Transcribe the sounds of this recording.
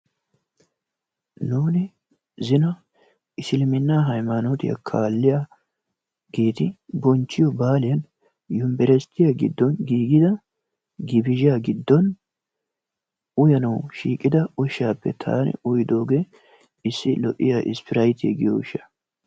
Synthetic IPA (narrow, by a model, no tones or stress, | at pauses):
nuːnɪ | zɪnɐ | ɪsɪlɪmɪnːaːɦɐjmanɔt̪ɪjɐ̰kʰaːlːɪja | ɡe̞ːt̪ɪbɔnt͡ʃːɪjɔbaːlɪjɐn | jʊmbɛɾɛst̪ːɪjaɡɪ̰d̪ːɔnɡiːɡɪd̪ɐ | ɡɪbɪʒɪjaɡɪd̪ːɔn | ʊjɐnɐwʃiːkʼːɪd̪ɐʊʃːaːpːɛ̰t̪ʰa̰ːnɛ̰ʊjd̪o̞ːɡeː | ɪsːɪlɔʔʼːɪ̰jaːʔɪ̰spɪɾɐjt̪ḛɡɪjo̰wʃːɐ̥